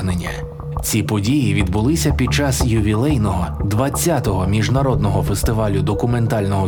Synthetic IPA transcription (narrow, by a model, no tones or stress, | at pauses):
ɦnenʲːɐ | t͡sʲipɔdʲijiʋʲid̪bʊlˠɪsʲɐpʲid̪̚t͡ʃɑsjʊʋʲilˠɛjnɔɦɔd̪ʋɐt͡sʲːat̪ɔɦɔmʲiʒnɐɾɔd̪nɔɦɔfest̪ɪʋɑlʲʊd̪ɔkʊme̞nt̪ɑlʲnɔɦɔ